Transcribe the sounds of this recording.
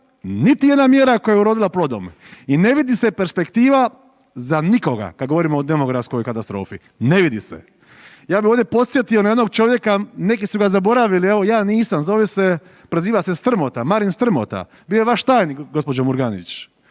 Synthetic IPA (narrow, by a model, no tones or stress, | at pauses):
nit̪ije̞d̪namjeːɾako̞jajeuɾo̞ːd̪ilaplo̞d̪o̞̰mine̞ʋid̪ise̞pe̞ɾspe̞kt̪iːʋa | zaniko̞ɡa̰kad̪ɡo̞ʋo̞ɾimoːd̪e̞mo̞ɡɾafsko̞jkat̪ast̪ɾo̞̰ːfḭ | ne̞ʋid̪isḛ | jaːbio̞ːʋd̪jepo̞t̪sje̞t̪ionae̞d̪no̞ɡ̚t͡ʃo̞ʋje̞kane̞kisuɡazabo̞ɾaʋilie̞ʋo̞jaːniːsamzoʋese̞ | pɾeziːʋasest̪r̩mo̞t̪amaɾinst̪r̩mo̰t̪a̰ | bijojeʋaʃt̪aːjniɡo̞spo̞d͡ʒomuɾɡanḭt͡ʃ